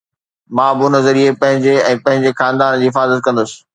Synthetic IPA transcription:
mãːbɪʊnəzɐɾiepɐ̃ɦɪ̃ɲd͡ʑeɛ̃ːpɐ̃ɦɪ̃ɲd͡ʑexaːnd̪aːnd͡ʑiːɦɪfaːzət̪̚kɐ̃nd̪ʊsɪ̥̆

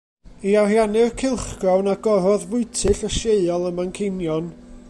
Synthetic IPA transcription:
iarjanɨrkʰɪlˠχɡ̥rawnaɡɔɾɔðvʊɨtʰɨɬəʃeɨɔlˠəmankʰɪnjɔn

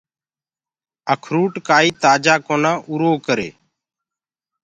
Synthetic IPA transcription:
əkʰɾuːʈkaːiːt̪aːd͡ʒaːkoːnãːʔuɾoːkəɾḛː

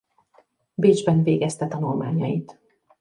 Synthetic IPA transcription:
beːd͡ʒbɛnveːɡɛst̪ɛt̪ɒnulmaːɲɒjit̪

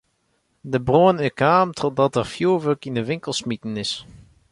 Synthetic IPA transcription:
dəbroənɪkaːmtʰɔt̚dɑtɛɹfjuːɹʋøkɪnəʋɪŋkəlˠsmitənɪs

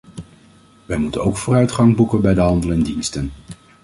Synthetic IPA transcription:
ʋɛjmutənowkfʊːrœɥtχɑŋbukənbɛjdəɦɑndəlɛndinstən

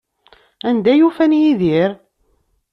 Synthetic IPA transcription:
ænd̪æjufænjiðiɾ

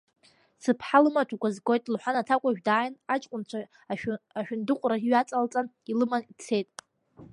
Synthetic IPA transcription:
sɨpʰħalɨmatʰakʷazɡo̞jtʼlħʷanatʰakʷʼaʒᶣdaːjnat͡ʃʼkʷʼʊnt͡ʃʷʰaː | ʃᶣʊndɨqʷʼraiɥat͡sʼalt͡sʼan | ilɨmanit͡sʰe̞jtʼ

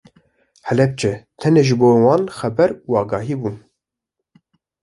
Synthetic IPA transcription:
hɛlɛp̚t͡ʃʰɛt̪ʰɛneːʒɨboːwɑːnxɛbɛɾuɑːɡɑːɦiːbun

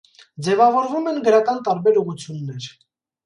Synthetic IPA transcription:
d͡zɛvɑvɔɾvumɛnɡəɾɑkɑnt̪ɑɾbɛɾuʁut͡sʰjunːɛɾ

